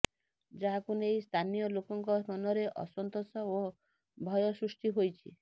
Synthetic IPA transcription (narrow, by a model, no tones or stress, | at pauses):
d͡ʒaɦakunejst̪ʰanijɔlokɔŋkɔɔnɔɾeʔɔ̰sɔnt̪osɔo | bʱɔjɔsɾusʈiɦojt͡ʃʰḭ